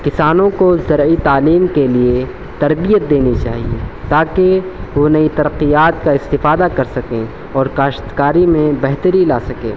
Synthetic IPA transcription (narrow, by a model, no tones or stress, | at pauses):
kɪsaːnõkozɐɾit̪aːliːmkelie | t̪ɐɾbijət̪̚d̪eːnit͡ʃa̰ːɦiḛt̪aːkeʋonɐit̪ɐɾəqːijaːt̪kaɪst̪ɪfaːd̪akɐɾsɐkẽ | ɔːɾkaːʃt̪kaːɾimẽbɛɦt̪əɾilaːsɐkḛ̃ː